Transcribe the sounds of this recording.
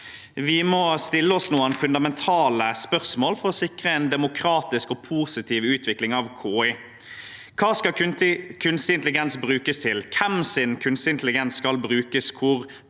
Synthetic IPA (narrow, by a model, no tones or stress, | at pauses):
ʋɪmɔst̪ɪlːəɔsnuːənfʉnd̪ɑmɛnt̪ʰɑːləspœʁsmoːlfɔɾɔsɪkʁəɛɪnd̪ɛmʊkʰɾɑːt̪ɪskɔpʰuːsɪt̪ʰiːʋʉːt̪ʰʋɪklɪŋɑʋkʰoːɪ | kʰɑːskɑkʰʉnst̪ɪnt̪lɪɡɛnsbɾʉːkəst̪ʰɪlkʰɛmsɪnkʰʉnst̪ɪnt̪əlɪɡɛnsskɑlbɾʉːkəskʰʊʁ